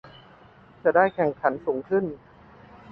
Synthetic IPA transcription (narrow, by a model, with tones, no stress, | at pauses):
t͡ɕa˨˩daː˥˩jkʰɛ˨˩ŋkʰa˩˦nsuː˩˦ŋkʰɯ˥˩n